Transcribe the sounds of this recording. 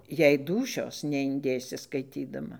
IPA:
jɛɪ ˈduːʃʲoːs nʲɛɪnʲˈdʲeːsʲɪ skɐɪˈtʲiːdɐmɐ

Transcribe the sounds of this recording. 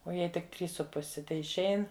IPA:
oː ˈjɛɪ tʲɪk ˈtʲrʲiːs sʊ ˈpʊsʲɪ tʲɛɪʃʲˈɛɪn

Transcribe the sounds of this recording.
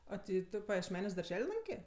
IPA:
ɐ ˈtʲɪ ˈtʊ pɐjiɛʃʲˈmʲæːnʲuɔs dɐrʲˈʒʲɛlʲ ˈlˠɐŋʲkʲeː

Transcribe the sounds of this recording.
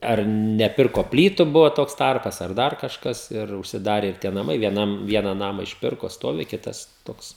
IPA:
ˈɐr nʲɛˈpʲɪrkoː ˈpʲlʲiːtʊ ˈbʊʋoː ˈtoːks ˈtɐrpɐs ɐr ˈdɐr kɐʃˈkɐs ɪr ʊʃʲsʲɪˈdɑːrʲɛ ɪr ˈtʲiɛ nɐˈmɐɪ ʋʲiɛˈnɐm ˈʋʲiɛnɐ ˈnɑːmɑː ɪʃʲˈpʲɪrkoː ˈstoːʋʲɪ ˈkʲɪtɐs ˈtoːks

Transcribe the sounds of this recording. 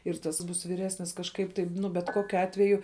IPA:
ɪr ˈtɐs ˈbuːs ʋʲiːˈrʲæːsʲnʲɪs kɐʃˈkɐɪp tɐɪp ˈnʊ bʲɛt ˈkoːkʲʊ ˈɑːtʲʋʲɛjʊ

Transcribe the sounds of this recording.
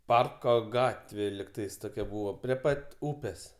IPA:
ˈpɐrkoː ˈɡɑːtʲʋʲeː lʲɪkˈtɐɪs ˈtoːkʲɛ ˈbuːʋoː pʲrʲiɛ ˈpɐtʲ ˈuːpʲeːs

